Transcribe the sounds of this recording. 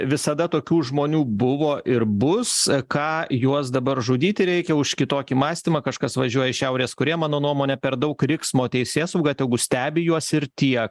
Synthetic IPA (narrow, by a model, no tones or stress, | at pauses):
ʋʲɪsɐd̪ɐt̪oːkʲuːʒmoːnʲuːbʊʋoːʔɪɾbʊskɑːjuɔsd̪ɐbɐɾʒuːd̪ʲiːt̪ʲɪɾʲɛɪkʲɛʊʃkʲɪt̪oːkʲiːmɑːsʲt̪ʲimɑkɐʃkɐsʋɐʒʲuɔjɛɪʃʲɛʊɾʲeːskʊɾʲiɛmɑːnoːnuɔmoːnʲɛpʲɛɾd̪ɐʊkɾʲɪksmoːt̪ʲɛɪsʲeːsɐʊɡɑːt̪ʲɛɡʊsʲt̪ʲæːbʲɪjuɔsɪɾt̪ʲiɛk